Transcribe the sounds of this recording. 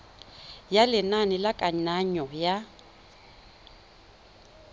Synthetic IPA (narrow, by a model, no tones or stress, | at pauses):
jalɪnanɪlakʼaɲaɲɔja